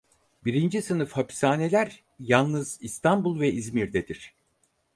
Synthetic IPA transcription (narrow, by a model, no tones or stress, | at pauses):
biɾind͡ʒisɯnɯfhapʰi̥saːne̞lʲæɾ | jalˠnɯzist̪ambulˠvɛʔizmiɾd̪ed̪iɾ̝̥